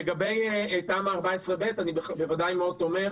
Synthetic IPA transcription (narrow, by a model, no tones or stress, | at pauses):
eɡabejetaːmaːʁbaesʁebetanibebevadajmeo̞d̚t̪o̞me